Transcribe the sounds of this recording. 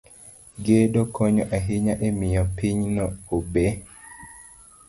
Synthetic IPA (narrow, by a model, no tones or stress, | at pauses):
ɡeɗokʰɔɲɔʔaɦiɲaʔemijɔpiɲnɔobe